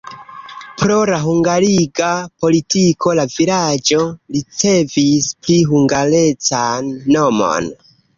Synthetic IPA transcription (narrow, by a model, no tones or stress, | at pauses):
pɾo̞laɦuŋɡaliɡapo̞litiko̞lavilad͡ʒo̞lit͡se̞vispliɦuŋɡalet͡sanːomo̞̰n